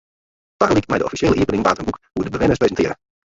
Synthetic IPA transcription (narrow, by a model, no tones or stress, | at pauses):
tɑxəlik̚tmɛ̰jdəʔɔfiʃeːləʔiəpənɪŋʋaːtənbukhudəbəʋɪnəsprezəntɪːɾə